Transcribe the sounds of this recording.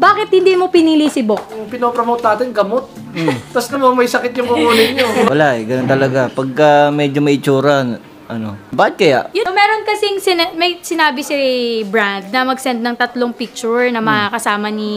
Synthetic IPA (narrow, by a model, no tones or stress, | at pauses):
baːkɪt̪̚hɪnd̪iːmopɪnilisɪbok̚jʊŋpɪnopɾomowt̪naːt̪ɪnɡɐmot̪̚ː | ɐsnɐmonmɐjsɐkɪt̪̚jʊŋɡʊŋulɪɲɲowɐlaʔɛɡɐnont̪ɐlɐɡapɐɡ̚kɐmɛːd͡ʒomɐʔɪt͡ʃuːɾɐn | ʔɐno̞baɪt̪̚kɐjaʔjʊmɛːɾonkɐsɪŋsɪnɛmɐjsɪnaːbɪsɪbɹand̪̚nɐmɐɡsɛnd̪̚nɐŋt̪ɐt̪loŋpik̚t͡ʃʊɹnɐmɐŋakɐsaːmɐni